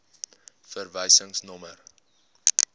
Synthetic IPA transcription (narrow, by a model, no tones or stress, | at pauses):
fərvɛjsəŋsnɔmər